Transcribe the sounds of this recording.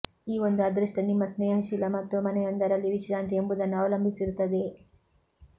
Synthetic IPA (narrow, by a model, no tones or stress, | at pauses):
iːʋo̞nd̪uɐd̪ɾiʂʈɐnimːɐsneːɐɦɐʃilɐmɐt̪ːumɐnɛjɐnd̪ɐɾɐlːiʋiʃɾaːnt̪ʰiembud̪ɐnːuɐːʋɐlɐmbʱisiɾut̪ːɐd̪e